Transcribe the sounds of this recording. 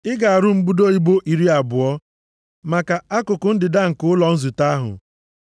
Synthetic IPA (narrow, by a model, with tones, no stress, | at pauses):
ɪ˦ɡa˨a˨ɾʊ˦m̩˦bu˦do˦i˦bo˦ʔi˨ɾi˦a˨bʊ˨ɔ˦ | ma˨ka˨a˦kʊ˨kʊ˨n̩˦dɪ˨da˦ŋ̩˨kʊ˦ʊ˦lɔ˨n̩˦zu˨ta˦ɦʊ̰˨